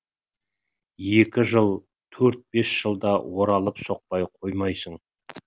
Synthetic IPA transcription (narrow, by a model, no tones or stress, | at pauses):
je̞kʲɪʒəlˠ | t̪ʰɵɾt̪̚be̞sʒ̥əlˠd̪ɑwo̞ɾɑlˠəpso̞q̚pɑjqʰojmɑjsəɴ